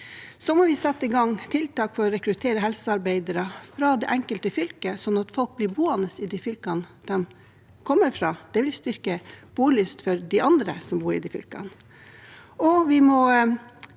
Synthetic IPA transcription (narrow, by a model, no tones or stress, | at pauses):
sɔmɔʋɪsɛt̪ːəɪɡɑŋːt̪ʰɪlt̪ɑːkfɔɾɔɾɛkɾʉt̪ʰeːɾəɦɛlsəɑɾbæɪd̪əɾɑfɾɑd̪ɛʔæŋkəlt̪əfʏlkəsɔnːɑt̪fɔlk̚blɪɾbuːɑnəsɪd̪ifʏlkɑnd̪̥ɛm | kʰɔmːəɾfɾɑːd̪̥ɛʋɪlst̪ʏɾkəb̥uːlɪst̪fɔɾd̪ɪʔɑnd̪ɾə̰sɔmbuːɾɪd̪ifʏ̰lkɑ̰n | ɔʋɪmɔ